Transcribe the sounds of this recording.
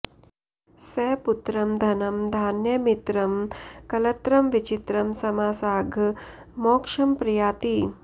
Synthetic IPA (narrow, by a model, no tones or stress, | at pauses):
seːput̪ɾɐmd̪ʱɐnɐmd̪ʱaːnjɐmit̪ɾɐmkɐlɐt̪ɾɐmʋit͡ʃit̪ɾɐmsɐmaːsaːɡʱ | moːkʂɐmpɾijaːt̪iː